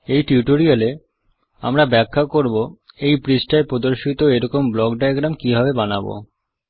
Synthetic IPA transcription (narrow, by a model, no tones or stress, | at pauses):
ejʈiuʈoɾiale | a̰mɾabɛkʰːakoɾboejpɾisʈaepɾod̪oɾʃit̪oeɾɔkomblɔkɖajaɡɾamkibʱabebana̰bo̰